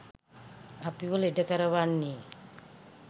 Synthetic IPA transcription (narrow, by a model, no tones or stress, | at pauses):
apiʋəleɖəkəɾəʋanːe